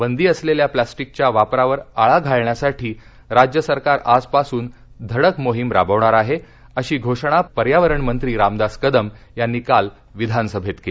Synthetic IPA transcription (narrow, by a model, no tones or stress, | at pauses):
bənd̪iːəsleljaplasʈik̚t͡ɕjaʋapɾaʋəɾaɭaɡʱaɭɳjasaʈʰiː | ɾad͡ʑjəsəɾkaɾaspasuːn | d̪ʱəɽəkmoɦimɾa̰bəʋɳaɾaɦe | əɕiːɡʱoʂɽ̃apəɾjaʋəɾəɳmənt̪ɾiːɾamd̪askəd̪əm | janːikal | ʋid̪ʱansəbʱet̪ke